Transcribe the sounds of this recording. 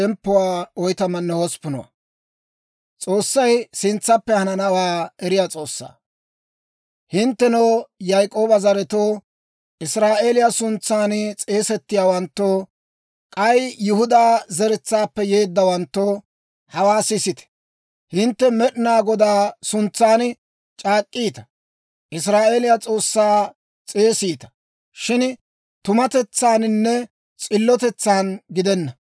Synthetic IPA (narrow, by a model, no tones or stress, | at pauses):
ɛmpːɔwaːɔjt̪ɐmɐnːɛhɔspʊnɔ̰wɐ̰ | t͡sʼo̞ːsːɐjsɪnt͡sːɐpːɛhɐnɐnɐwaːɛɾɪjaːt͡sʼo̞ːsːa̰ː | hɪnt̪ːɛnoːjɐjkʼo̞ːbɐzɐɾɛt̪oː | ʔɪsɾaːʔe̞ːlɪjasʊnt͡sːaːnt͡sʼe̞ːsɛt̪ːɪjaːwɐnt̪ːo | kʼɐjjʊhʊd̪aːzɛɾɛt͡sːaːpːɛje̞ːd̪ːɐwɐnt̪ːoː | hɐwaːsɪsɪt̪ɛ̥ | hɪnt̪ːɛmɛɗɪnaːɡɔd̪aːsʊnt͡sːaːn | t͡ʃʼaːkʼːiːt̪ɐ̥ | ʔɪs̬ɾaːʔeːlɪjat͡sʼo̞ːsːaː | t͡sʼe̞ːsiːt̪ɐ̥ | ʃɪn | t̪ʊmɐt̪ɛt͡sːaːnnːɛ | t͡sʼɪlːɔt̪ɛt͡sːaːnɡɪd̪ɛnːɐ